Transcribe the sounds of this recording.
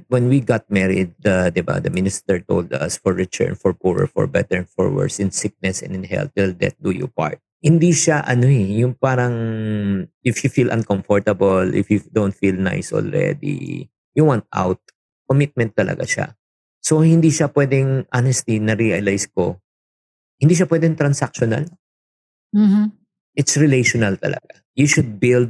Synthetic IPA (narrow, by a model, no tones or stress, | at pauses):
wɛnwiɡat̪̚mɛɹɪ̰d̪̚ːɐd̪ɪba̰d̪ɐmɪnɪst̪ɛɹt̪o̰ld̪ɐ̰sfɔɹːɪt̪ʰɛ̰ɹnfɔɹpuɹɛ̰ɹfɔ̰ɹbɛ̰t̪ɛɹnfɔ̰ɹwɛ̰ɹsɪnsɪk̚nɛsɛ̰̃nd̪ɪnɦɛ̰lt̪̚wɪld̪ɛ̰t̪̚d̪ujʊ̰pa̰ɹt̪̚hɪnd̪iʃaʔɐnoɛjʊŋpaːɾɐŋ | ɪfjʊfilʔɐ̰̃nkɔmfɔɹt̪ɐbɐlʔɪ̰fjud̪ownt̪̚filna̰jsʔɔ̰lɹɛ̰d̪ḭ | juwãnt̪̚a̰wt̪̚ | komɪt̪̚mɛ̃nt̪ːɐlɐ̰ɡa̰ʃa̰ | sohɪ̃nd̪iʃapwɛd̪ɛŋʔanɛst̪inɐɾiɐlajsko | hɪnd̪iːʃ̬apwɛːd̪ɛŋt̪ɾɐnsak̚ʃɔnɐ̰l | m̩ | ʔɪt̪sɹɪlejʃɔnɐlt̪ɐ̰lɐ̰ɡa | juʃʊd̪̚bɪld̪̚